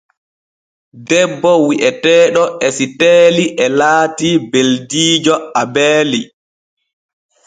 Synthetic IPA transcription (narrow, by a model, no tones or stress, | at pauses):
dɛbːɔwiʔɛtɛːɗɔʔɛsitɛːliʔɛlaːtibeldiːd͡ʒɔabɛːli